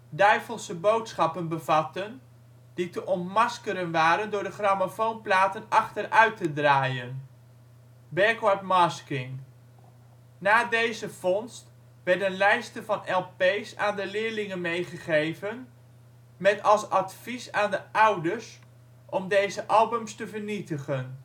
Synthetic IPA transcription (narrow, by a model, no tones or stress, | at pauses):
dœɥvəlˠsəbowtsχɑpənbəvɑtən | d̥itəʔɔntmɑskəɾənʋaːɾəndʊːɹdəχraːmafownplaːtənɑχtərœɥtədraːjən | bɛːkwatmɑskɪŋ | naːdejzəv̥ɔnst | ʋɛɹdənlɛjstəvɑnɛlˠpejsaːndəlɪːɹlɪŋənmejχəχejvən | mɛtɑlˠsɑtfisaːndəʔʌwdəɹs | ʔɔmdejzəʔɑlˠbəmstəvəɹnitəχən